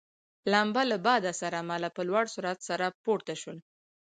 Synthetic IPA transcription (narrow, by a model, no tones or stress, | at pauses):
lambalabɑd̪asaɾamalapəlwaɽsuɾat̪saɾapoɽt̪aʃul